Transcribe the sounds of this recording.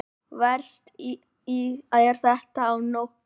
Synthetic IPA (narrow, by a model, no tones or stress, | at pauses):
vɛɾ̥st̪ | iaðɛɾ̥θɛht̪aːwnowhk